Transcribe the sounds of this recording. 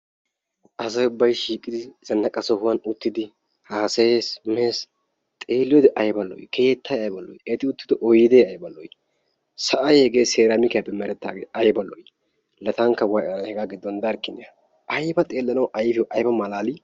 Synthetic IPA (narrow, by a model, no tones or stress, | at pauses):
ʔɐzɐjʊbːɐjʃiːkʼɪd̪ɪzɐnːɐkʼɐsɔhʊwɐnʊt̪ːɪd̪ɪ | haːsesmeːs | t̪ʼe̞ːlːɪjɔd̪ɛʔɐjbɐlɔ̰jkʰejɛt̪ʰːɐjɐjbɐlɔ̰jɛt̪ɪʊt̪ːɪd̪ɔʔɔjɪd̪eɐjbɐlɔj | sɐʔɐjhɛɡeːseːɾɐmɪkɐjɐbɛmɛɾɛt̪ːa̰ːɡeɐjbɐlɔj | lɐt̪ɐŋkːɐwɐjʔɐhɛɡaːɡɪd̪ːɔnd̪ɐɾkːɪnːɛɐ | ʔɐjbɐt̪ʼe̞ːlːɐnɐwʔɐjfɪɔʔɐjbɐmɐlaːlɪ